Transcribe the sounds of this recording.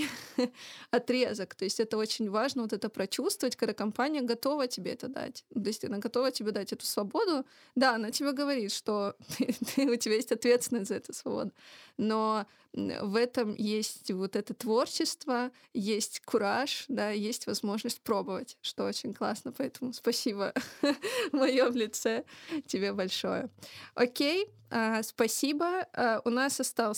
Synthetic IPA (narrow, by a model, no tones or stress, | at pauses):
ɐt̪ɾʲe̞zəkt̪o̞ɪsʲtʲɛt̪əo̞t͡ɕɪnʲvaʐnəvo̞t̪ɛt̪əpɾɐt͡ɕust̪vəvətʲkɐɡd̪akɐmpanʲɪjəɡɐt̪o̞vətʲɪbʲeɛt̪əd̪a̰t̪ʲt̪oɪsʲt̪ʲɐnaɡɐt̪o̞vətʲɪbʲe̞d̪atʲɛt̪ʊ̥svɐbo̞d̪ʊ | d̪aɐnatʲɪbʲeɡəvɐɾʲit̪ʂt̪o̞t̪ɨt̪ʰɨʊtʲɪbʲajesʲtʲɐt̪vʲesʲɪnəsʲzɐɛt̪ʊsvɐbo̰d̪ʊno̞̰ | vɛt̪əmjesʲtʲvot̪ɛt̪ət̪vo̞rt͡ɕɪst̪və | jesʲtʲkʊɾaʂd̪ajesʲtʲvɐzmo̞ʐnəsʲt̚ʲpɾo̞bɨvətʲʂt̪oot͡ɕɪnʲklˠa̰snəpɐɛt̪əmʊspɐsʲibə | mɐjovlʲɪt̪sɛtʲɪbʲebɐlʲʂo̞jəokʲej | aspɐsʲibəaʊnasɐst̪alˠ